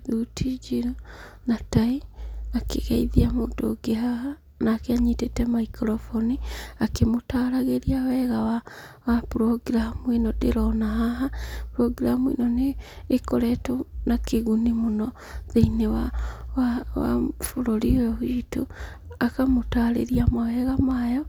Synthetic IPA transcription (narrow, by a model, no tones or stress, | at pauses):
ðutʰid͡ʒiɾo | nataiakḛɣɛiðiamodo̰ɡeɦaha | naːkɛaɲitetɛmaikɾɔfɔniakemotaɾaɣeɾiawɛɣawa | wapɾɔɡiɾamwinɔdeɾɔnaɦaɦapɾɔɡiɾamwḭnɔneːkoɾɛtonakeɣunimonɔ | ðeinewawawa̰foɾoɾiwɛhito | akamotaɾḛɾiamawɛɣamajɔ